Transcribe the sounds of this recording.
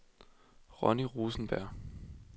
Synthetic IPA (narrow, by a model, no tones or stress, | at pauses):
ʁɒniʁuːsn̩b̥æɐ̰